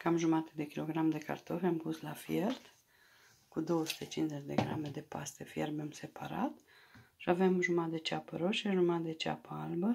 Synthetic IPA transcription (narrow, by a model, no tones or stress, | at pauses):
kamʒumat̪e̥d̪e̞kʲilo̞ɡɾamd̪e̞ka̰rt̪o̞fʲampuslafje̞rt̪ | kud̪o̞wəsu̥t̪e̞t͡ʃinzet͡ʃʲd̪e̞̰ɡɾa̰me̞d̪e̞past̪efjerbemse̞paɾa̰t̪ | ʃiavemʒumat̪d̪et͡ʃʲapəɾoʃeʒumat̪d̪et͡ʃa̰pəalbə